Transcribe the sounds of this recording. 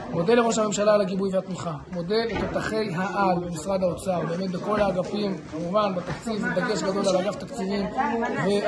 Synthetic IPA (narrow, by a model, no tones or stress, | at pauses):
mo̞d̪e̞le̞ʁo̞ʃ̬hame̞mʃalalaɡibujvehat̪miχamo̞d̪e̞let̪ot̪aχe̞jɦaʔalbemisʁadaot͡saʁbe̞ːmet̪beko̞laːɡapimkamuvanbet̪akt͡sived̪aɡe̞ʃɡad̪o̞lalaɡaft̪akt͡sivimve